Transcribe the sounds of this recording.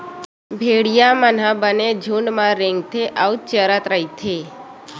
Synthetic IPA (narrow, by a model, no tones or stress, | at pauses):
bʱeɽijamən̤ãbəned͡ʒʱuɳɖmãɾeŋɡt̪ʰeʔawt͡ʃəɾat̪ɾəjt̪ʰe